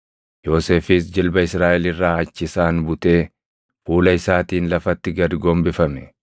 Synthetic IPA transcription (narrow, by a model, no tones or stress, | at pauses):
jo̞ːse̞ːfɪsd͡ʒɪlbɐɪsɾaːʔɛlɪrːaːɐt͡ʃːɪsaːnbʊt̪ʼe̞ː | fuːlɐɪsaːt̪iːnlɐfɐt̪ːɪɡɐd̪ɡoːmbɪfɐmɛ